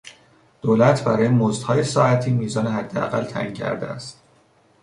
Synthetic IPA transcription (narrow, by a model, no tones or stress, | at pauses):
d̪̥oːlæt̪ʰbæɾɒːjemozd̪hɒːje̞sɒːæt̪ʰiːmiːzɒːneɦæd̪ːeæ̰ɣælt̪ʰæ̰ʔiːŋcʰæ̰ɾd̪ḛæ̰st̪